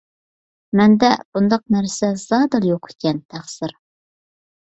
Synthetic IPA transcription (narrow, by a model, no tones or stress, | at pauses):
mɛnd̪ɛb̥und̪ɑq̚næɾsɛzɑːd̪ɨlˠjoqʰe̥kʲɛnt̪ʰæχsɨɾ